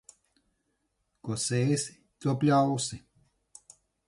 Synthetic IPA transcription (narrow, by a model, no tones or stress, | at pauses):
kɔseːsi̥ | t̪uɔplʲawsi